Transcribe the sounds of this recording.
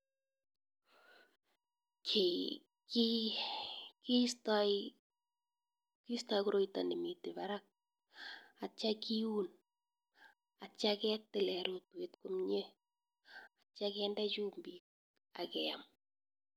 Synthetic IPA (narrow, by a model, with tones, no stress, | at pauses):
kʰe˨ | ki | ki˦st | kistakuɾo˦˨ita̰˨ni˨mi˨tɪ˨βaɾak̚ | a˨t͡ʃakiu˦n | a˨t͡ʃakɛ˦tːɪ˨lɛɾo˨twetkomɲe˦ | at͡ʃakɛ˦nda˦t͡ʃu˦mbik̚ | a̰kɛ˨am